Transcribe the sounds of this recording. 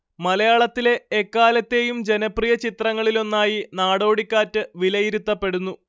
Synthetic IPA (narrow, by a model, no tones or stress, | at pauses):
mɐlɐjaːɭɐt̪ːile̞ːkːaːlɐt̪ːe̞ːjumd͡ʑe̞nɐprijɐt͡ɕit̪rɐŋːɐɭilo̞nːaːjinaːɽo̞ːɽikʲːaːtːɨʋilɐjiɾut̪ːɐpːe̞ɽunːu